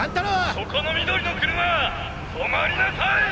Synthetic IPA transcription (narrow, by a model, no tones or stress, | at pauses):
ãnt̪aɾosokʰonomʲid̪oɾʲinokɯɾɯna | somaɾʲinasaj